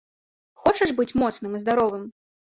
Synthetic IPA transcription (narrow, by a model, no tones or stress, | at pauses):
xɔt͡ʂɐʂbɨt͡sʲmɔt̪snɨmizd̪aɾɔvɨm